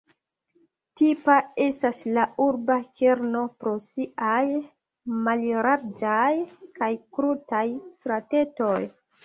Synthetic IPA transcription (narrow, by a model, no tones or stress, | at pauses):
tipae̞staslauɾbake̞ɾno̞pɾo̞siʔaj | malɾaɾd͡ʒajkajkɾutajstɾate̞to̞j